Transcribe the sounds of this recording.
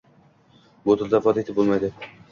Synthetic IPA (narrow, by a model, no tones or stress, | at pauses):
bot̪ʰɪlˠd̪afɒt̪et̪ɪp̚bolˠmajd̪ɪ